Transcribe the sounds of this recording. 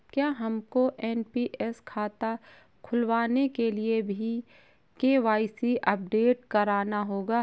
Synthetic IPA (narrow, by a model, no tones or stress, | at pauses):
kjaːɦɐmkoʔɛːnpiʔɛskʰaːt̪a | kʰʊlʋaːnekeliebʱi | keːʋaːɪsiʔɐp̚ɖeːʈkɐɾaːnaɦoːɡaː